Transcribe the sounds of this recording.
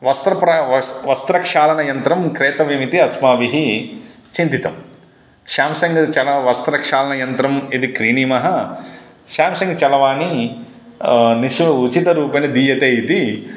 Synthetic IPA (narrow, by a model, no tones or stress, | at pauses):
ʋɐst̪ɾɐpɾɐɐʋɐst̪ɾɐkʂaːlɐnɐjɐnt̪ɾɐmkɾeːt̪ɐʋimit̪iɐsmaːʋiɦi | t͡ʃint̪it̪ɐm | ʃaːmsɐŋɡɐt͡ʃɐlɐʋɐst̪ɾɐkʂaːlɐnɐjɐnt̪ɾɐmid̪ikɾiːnimɐɦɐ | ʃaːmsɐŋɡt͡ʃɐlɐʋaːni | niʃʋɐut͡ʃit̪ɐɾuːpɐnɐd̪iːjɐt̪ejit̪i